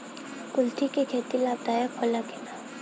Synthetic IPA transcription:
kʊlt̪ikekʰeːt̪ilaːb̚d̪aːjəkʰɔlakena

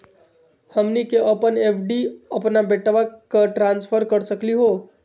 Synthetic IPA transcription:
həmnikeʔəpənepʰɖiəpnabeʈʋakaʈɾãnspʰəɾkəɾsəkliɦo

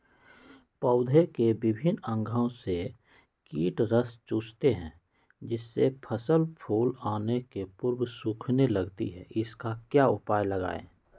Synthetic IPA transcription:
pəʊd̪ʱekebɪbʱɪnə̃ŋɡʱõse | kiːʈɾəst͡ʃuːst̪eɦɛ̰̃ː | d͡ʒɪsːepʰəsəlpʰuːlaːnekepʊɾwsuːkʰneləɡt̪ḭɦɛ̰ʔɪskakjaːʊpaːjləɡa̰ːḛː

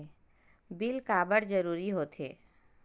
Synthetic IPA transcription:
bilkaːbəɽd͡ʒəɾuːɾiɦoːt̪ʰḛː

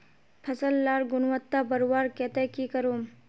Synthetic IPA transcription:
pʰɐsəlːaːɾɡʊnwət̪ːabəɾwaːɾket̪ekikəɾoːm

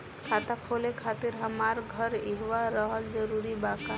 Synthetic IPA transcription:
kʰat̪akʰolekʰaːt̪iɾɦəmaɾɡʱəɾiɦʋaɾəɦəld͡ʒəɾuɾibaka

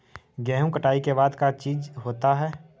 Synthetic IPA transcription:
ɡɛːɦũkəʈaːikebaːd̪kat͡ʃiːd͡ʒɦoːt̪aɦɛː

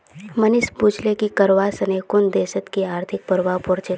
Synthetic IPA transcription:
mənɪsbuːt͡ʃlekikɐɾʋasɐneːkʊnd̪eːʃət̪kiaːɾt̪ʰɪk̚pɐɾʋapʊɾt͡ʃə

